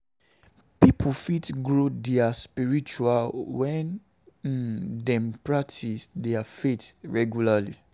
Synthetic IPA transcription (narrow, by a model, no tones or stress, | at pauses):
pipʰufitɡɹodɛaspiɹit͡ʃualwɛ̃n | dɛ̃mpɹak̚tʰisdɛafetɹɛɡjulali